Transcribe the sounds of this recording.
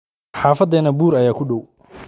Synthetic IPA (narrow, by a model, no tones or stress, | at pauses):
ħɑːfɐd̪ɛːnɐbuːɾɐjaːkʰʊɖɔw